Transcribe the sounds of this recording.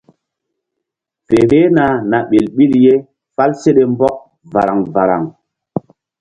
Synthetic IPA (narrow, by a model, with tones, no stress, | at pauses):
fe˨ɾe˦na˨na˨ɓe˨lɓi˦lje˦ | fa˦lse˦ɗe˦mbɔ˦k̚ | va̰˨ɾa˨ŋva˨ɾa̰˨ŋ